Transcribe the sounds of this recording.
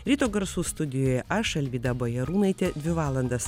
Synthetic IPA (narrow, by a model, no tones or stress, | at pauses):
ɾʲiːt̪oːɡɐɾsuːst̪ʊd̪ʲɪjoːjɛʔɐʃɐlʲʋʲiːd̪ɐboːjɛɾuːnɐɪt̪ʲɛd̪ʲʋʲɪʋɑːlˠɐnd̪ɐs